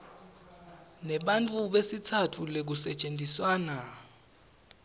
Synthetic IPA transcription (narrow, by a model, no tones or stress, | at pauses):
nɛɓantʼʰuɓesitʰatʰulek̬usɛt͡ʃʼend͡zʼʱiswaːna